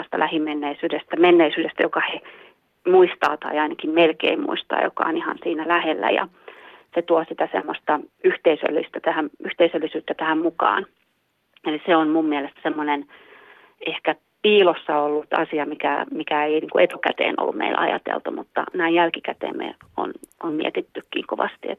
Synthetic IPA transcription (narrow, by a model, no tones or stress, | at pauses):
st̪ɑlʔæhimmenːeisyːdest̪æmenːeisyːdest̪æjokɑhe | muist̪ɑ̰ːt̪ɑiɑinɑkimmelkḛimmṵist̪ɑ̰ːjo̰kɑ̰onihɑ̰nsiːnælæhelːæ̰jɑ̰ | set̪uosit̪æsḛmːost̪ɑyht̪eisø̰lːist̪æt̪æhæmyht̪eisølːisyːt̪ːæt̪æhæmmukɑ̰ːn | eliseonmummiɛlest̪semːonen | ehkæ | piːlosːɑolːut̪ɑ̰siɑmikæmikæeiniːŋkuet̪ukæt̪ḛːno̰lːummḛilɑ̰jɑ̰t̪ḛlt̪umut̪ːɑ̰næijælkikæt̪ḛːmmḛo̰nommḭɛt̪it̪ːykːḭːŋkoʋɑst̪iḛt̪